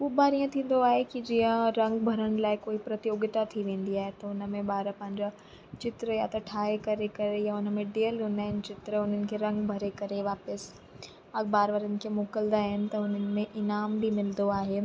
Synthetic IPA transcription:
uːbaːɾijə̃t̪ʰĩːn̆d̪oaːɦekid͡ʑiːə̃ɾɐ̃ŋɡbʱɐɾəɽ̃ɪ̆laːɪkoːipɾɐt̪ijoːɡɪt̪at̪ʰiʋẽːn̆d̪iaːɦet̪ɐʊnəmẽɓaːɾəpɐ̃ɦɪ̃ɲd͡ʑa | t͡ʃɪt̪ɾəjat̪ɐʈʰaːekɐɾekɐɾejaʊnə̆mẽɖeːəlɦʊnaːɦɪnɪ̆t͡ɕɪt̪ɾəʊn̤ənɪ̆kʰeɾɐ̃ŋɡbʱɐɾekɐɾeʋaːpəs | ɐɡbaːɾʋəːɾənɪ̆kʰemoːkəld̪aːɦɪnɪ̆t̪ɐʊn̤ənɪ̆mẽʔɪnaːmbʱimɪld̪oaːɦeː

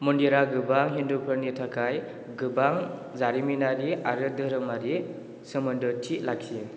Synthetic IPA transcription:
mundiɾaɡɯbaŋɦindupʰɯnitʰakʰaj | ɡɯbaŋ | zaɾiminaɾiaɾɯdɯɾɯmaɾi | sɯmɯndɯtʰiʔlak̚sie

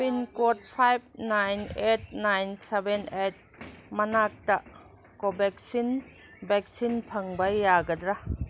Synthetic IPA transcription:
binkɔt̚pʰajb̚najnet̚najnsebenet̚mɐnak̚ta | kobɛk̚sin | bɛk̚sinpʰɐŋbajːaɡɐdɾa

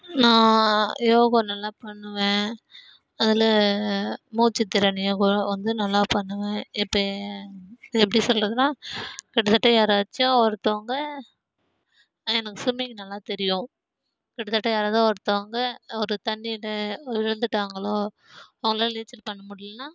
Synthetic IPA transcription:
nãːjoːɣõnɐlːaːpɐɳːɯʋẽː | ɐðɪlɐ | muːt͡ʃːɪt̪ːɪɾɐnɪjɐːkʊʋɐnd̪ɯnɐlːaːpɐɳːɯʋẽːɪpːɐ | ɛpːɐɽisɔlrɾɐðɯnaːkɪɽɐt̪ːɐʈːɐjaːɾaːt͡ʃːʊ̃ɔɾɯt̪ːoːŋɡɐ | ɛnɐkːɯsʊmekːɯnɐlːaːt̪ɛɾɪjʊ̃ | kɪɽɐt̪ːɐʈːɐjaːɾaːðãːɔɾɯt̪ːoːŋɡɐɔɾɯt̪ɐɳːɪɪlɐɪɻɯnd̪ɯʈːaːŋɡɐɭoː | ɐʋɐŋɡɐɭoːliːt͡ʃɪlpɐɳːɐmʊɽɪlnaː

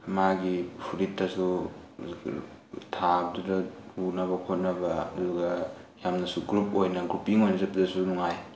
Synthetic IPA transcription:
maɡipʰuɾitːɐsu | tʰabdudɐhunɐβɐkʰot̚nɐbɐɐduɡɐjamnɐsuɡɾup̚ojnɐɡɾupiŋojnɐzɐpizɐsunuŋaj

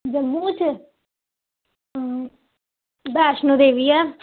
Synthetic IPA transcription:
d͡ʒəmuːt͡ʃ | baːʃnõːd̪eːʋiːɛː

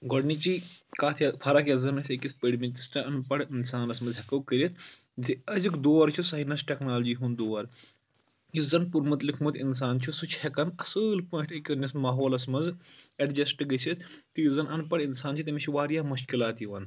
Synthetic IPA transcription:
ɡɔɖnit͡ʃikaːt̪ʰɐpʰɐɾɐkɐzɐnisekʲispeːɖmint̪isʈɐɐnpɐɽinsaːnɐsmɐnzɦɛkɐwkəɾit̪ | ziɐzʲikd̪oːɐɾt͡ʃʰusajnɐsʈʲeknaːld͡ʒiːɦund̪oːʋɐɾ | juzɐnpuɾmɐt̪likʰmut̪ins̬aːnt͡ʃʰusut͡ʃʰhɛkɐnɐsɨlpõːʈekʲːisnismaːɦoːlɐsmɐnzɐɖd͡ʒɐsʈɨɡɐsʰʲit̪t̪ijuzɐnʔɐnpɐɽinsaːnt͡ʃʰit̪ɐmʲit͡ʃʰiʋaːɾjaːmuʃkilaːt̪jiʋɐn

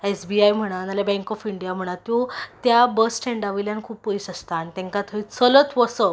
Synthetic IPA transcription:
esbiajm̤əɽ̃analabɛ̃ŋkɔfiɳɖijam̤əɽ̃at̪ːjot̪jabəsʈʰẽɳɖaʋiljankʰuːppəisəst̪aːnit̪ẽŋkat̪ʰəit͡sələt̪ʋəsə

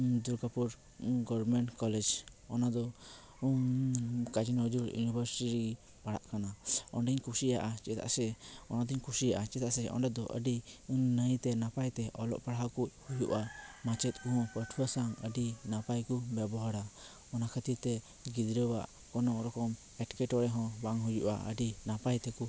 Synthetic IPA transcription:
d̪uɾɡapuɾ | ɡɔbɾmɛɳʈkɔlɛd͡ʒ | ɔnad̪ɔ | kad͡ʒinɔd͡ʒuɾjṵnibʱəɾsiɾi | paɽa̰ʔkanaɔ̰nɖiɲkʰusijaʔat͡ʃɛt̪a̰sɛɔnad̪iɲkʰusijaʔat͡ʃɛt̪aʔsɛɔ̰ɳɖɛd̪ɔʔə̰ɖiuɲnəjt̪ɛnapajt̪ɛʔɔlɔ̰ʔpaɽaɦakut̪̚hujuʔamat͡ʃɛt̪̚kuɦɔ̃pəɾʈʰpʰɔsaŋə̰ɖinapajkubɛbɔɦaɽa | ɔnakʰət̪it̪ɛ | ɡid̪ɾəba̰ʔ | kɔnɔŋɾɔkɔm | ɛʈkɛʈɔɽɛɦɔ̃baŋɦujuʔa̰ə̰ɖinapajt̪ɛku

